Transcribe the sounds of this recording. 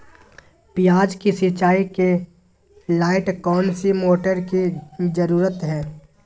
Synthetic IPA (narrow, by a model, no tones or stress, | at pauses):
pɪjaːd͡ʒkisit͡ʃaːike | laːɪʈkɔːnsimoːʈəɾkid͡ʒəɾuːɾət̪ɦɛː